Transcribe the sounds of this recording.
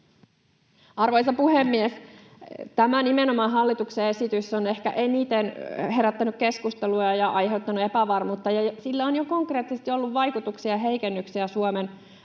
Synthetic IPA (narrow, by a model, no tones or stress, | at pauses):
ɑrʋojsɑpuhemːies | t̪æmænimeno̞mɑːnɦɑlːit̪ukseesit̪ysːone̞hkæ̰ʔe̞nit̪enɦe̞ɾæt̪ːænykke̞skust̪eluɑjɑʔɑjɦe̞wt̪ːɑnuepæʋɑrmuːt̪ːɑjɑjsilːæonjoko̞ŋkre̞ːt̪ːisest̪io̞lːuʋːɑjkut̪uksiɑɦejkenːyksiæsuomen